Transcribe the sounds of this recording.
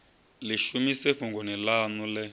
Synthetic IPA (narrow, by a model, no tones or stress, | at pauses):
liʃumisɛɸuŋɡɔnilanulɛ